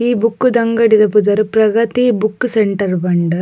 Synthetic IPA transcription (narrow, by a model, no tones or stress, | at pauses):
iːbukːud̪ɐŋɡɐɽid̪ɐpud̪ɐɾpɾɐɡɐt̪ibukːseɳʈɐɾbɐɳɖɐ